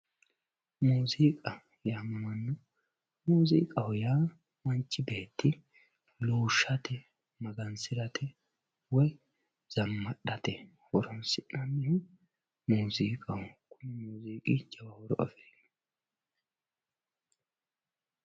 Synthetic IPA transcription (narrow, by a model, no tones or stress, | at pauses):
muːziːkʼɐ | jammɐnːɔ | muːzḭːkʼɐwjaː | mɐnt͡ʃːɪbeːt̪ːɪ | luːʃːɐt̪ɛ | mɐɡɐnsɪɾɐt̪ʰɛ | wɔj | z̥ɐmːɐɗɐt̪ɛ | wɔɾɔnsɪʔɐnːɪhɪ | muːziːkʼɐwʊkʰʊnːɛmuːziːkʼɪd͡ʒɐwɐwɔɾɔ̰ʔɐ̰fe̥ː